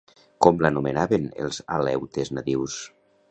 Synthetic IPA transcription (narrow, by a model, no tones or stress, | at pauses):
kɔmlanumenaβenḛlˠzalɛwt̪eznat̪iws